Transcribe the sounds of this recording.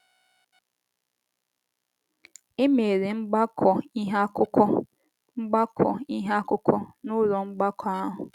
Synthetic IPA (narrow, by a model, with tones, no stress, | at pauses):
ɪ˦me˨ɾe˨ŋ͡m̩˦ɡ͡ba˦kʰɔ˨i˦ɦa˦kʊ˦kɔ˦ | ŋ͡m̩˦ɡ͡ba˦kʰɔ̰˨i˦ɦa˦kʊ˦kʰɔ˦nʊ˦ɾɔ˨ŋ͡m̩˦ɡ͡ba˦kʰɔ˨a˦ɦʊ˨